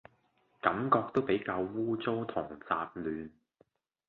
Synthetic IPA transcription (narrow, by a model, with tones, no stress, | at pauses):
kɐ˨˥mkɔː˧k̚t̪o˥wpe˨˥jkaː˧wwuː˥t͡so˥wt̪ʰʊ˨˩ŋt͡saː˧p̚lyː˨˧n